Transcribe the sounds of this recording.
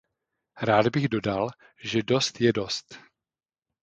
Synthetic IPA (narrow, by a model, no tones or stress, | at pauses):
ɾaːdbɪɣdo̞dal | ʒɛdo̞st̪jɛdo̞st̪